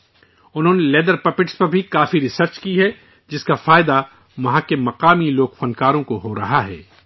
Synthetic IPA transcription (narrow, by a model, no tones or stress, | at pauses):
ʊnɦõːnelɛːd̪əɾpɐpɪʈspɐɾbʱikaːfiɾɪsəɾt͡ʃkiɦɛ | d͡ʒɪskafaːɪd̪a | ʋɐɦãkemɐqaːmiloːkfɐ̃nkaːɾõkoɦoɾɐɦaɦɛ̰ː